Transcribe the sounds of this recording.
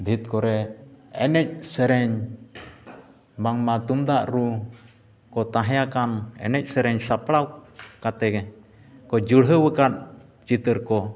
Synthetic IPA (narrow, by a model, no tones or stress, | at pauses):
bʱit̪̚kɔɾɛɛnɛc̚səɾɛɲ | maŋmat̪umd̪aʔɾu | kɔt̪ãɦjakanɛ̰nɛc̚ˀsəɾɛɲsapɽawkat̪ɛɡɛ | kɔd͡ʒuɽɦəwəkat̪̚ | t͡ʃit̪əɾkɔ